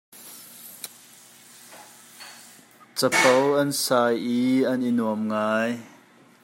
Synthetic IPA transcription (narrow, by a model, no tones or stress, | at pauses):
t͡sɐpowʔɐnsaːjiʔɐnʔinuəmŋaːj